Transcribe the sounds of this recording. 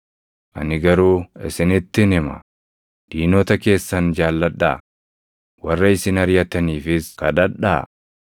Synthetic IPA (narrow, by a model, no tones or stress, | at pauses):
ʔɐ̰nɪɡɐɾuːɪsɪnɪt̪ːɪnɪmɐ̰ | d̪̥iːnoːt̪ɐke̞ːsːɐnd͡ʒaːlːɐᶑa̰ː | wɐrːɐɪsɪnɐɾjɐt̪ɐniːfɪskɐᶑɐᶑa̰ː